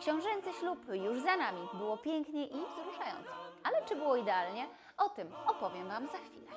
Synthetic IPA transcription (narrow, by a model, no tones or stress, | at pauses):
kɕɛ̃w̃ʐɛnt̪sɘɕlupɘjuʐzanamʲibɘwɔpʲjɛŋkɲɛʔivzɾuʂajɔ̰nt̪sɔalɛt͡ʂɘbɘwɔid̪ɛalɲɛ | ɔt̪ɘmɔpɔvʲjɛmvamzaxfʲilɛ